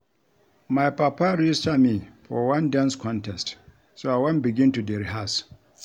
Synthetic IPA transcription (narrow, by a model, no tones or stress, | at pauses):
majpaːpaɾid͡ʒstamifɔwɐ̃ndɛnskɔ̃ntɛst | soawɐ̃nbɪɡʲɪntudɛɾiɦas